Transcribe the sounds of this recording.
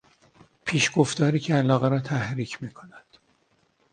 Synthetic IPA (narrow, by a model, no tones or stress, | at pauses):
pʰiːʃɡo̞ft̪ɒːɾiːcʰeælɒːɣeɾɒːt̪ʰæhɾiːcʰmiːkʰo̞næd̪̥